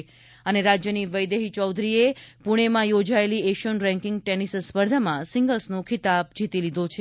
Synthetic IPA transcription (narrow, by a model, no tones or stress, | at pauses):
əneɾad͡ʒjəniʋəjd̪eɦit͡ʃɔwd̪ʱɾiepuɽ̃emãjod͡ʒaelieʃənɾɛ̃ŋkɪ̃ŋɡ̚ʈenisspəɾd̪ʱəmãsɪŋɡəlsnõkʰit̪ab̚d͡ʒʱit̪ilid̪ʱot͡ʃʰe